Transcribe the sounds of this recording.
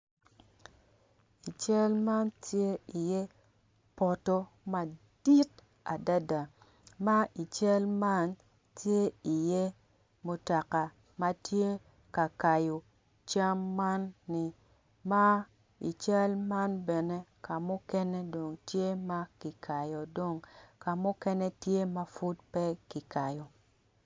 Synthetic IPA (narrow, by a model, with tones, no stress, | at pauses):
i˨t͡ʃa˦lma˦ntje˦i˨je˦ | pɔ˨tɔ˦ | ma˨d̥i˦t | a˨da˦da˨ | ma˦i˨t͡ʃa˦lma˦n | tje˦i˨je˦ | mo˨ta˨ka˨ | ma˦tje˦ | ka˨ka˨jo˨ | t͡ʃa˦mːa˦nːi˨ | ma˦ | ḭ˨t͡ʃa˦lma˦nbɛ˨ne˦ka˨mʊ˦kɛ˦nɛ˦do˨ŋtje˦ma˦ki˨kʰa˨jo˨do˨ŋka˨mʊ˦kɛ˦nɛ˦tje˦ma˦fʊ˦dpɛ˦ki˨ka˨jo˨